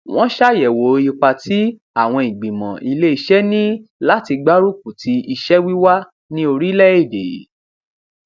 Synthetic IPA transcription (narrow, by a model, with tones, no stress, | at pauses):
w̃ɔ̃˦ʃa˦jɛ˨wo˨˦i˧k͡pa˧ti˨˦ | a˦˨w̃ɔ̃˧i˨ɡ͡bĩ˨mɔ̰̃˨ʔi˧le˦i˧ʃɛ˦nĩ˦la˦ti˧ɡ͡ba˦ɾu˦k̚u˨tʰi˨˦i˧ʃɛ˦wi˦wa˦ | nĩ˦o˧ɾi˦lɛ˦e˦˨de˨˦